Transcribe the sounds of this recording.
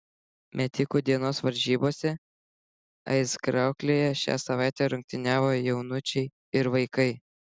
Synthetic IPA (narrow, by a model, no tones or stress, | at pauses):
mʲɛt̪ʲɪkuːd̪ʲiɛnoːsʋɐɾʲʒʲiːboːsʲɛ | ɐ̰ɪskɾɑˑʊklʲeːjɛʃʲæ̰ːsɐʋɑˑɪt̪ʲæɾʊŋk̚t̪ʲɪnʲæːʋoːjɛʊnʊt͡ʃʲɛɪ | ɪɾʋɐɪkɐɪ